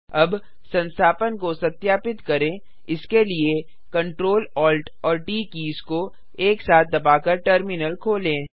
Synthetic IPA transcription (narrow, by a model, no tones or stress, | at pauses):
ɐb | sɐ̃nst̪ʰaːpənkosɐt̪jaːpɪt̪kɐɾẽː | ɪskelie | kɐ̃ɳʈɾoːlɔːlʈ | ɔːɾʈiːkiːsko | eːksaːt̪̚ʰd̪ɐbaːkɐɾʈəɾmɪnəlkʰoːlẽː